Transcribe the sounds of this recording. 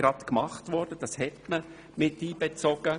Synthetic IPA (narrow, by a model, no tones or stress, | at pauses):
ɾɑt̪kmɑχtʋɔɾd̥əd̥ɑshɛtmə | mɪtiːb̥ɛt͡sɔɡ̥ə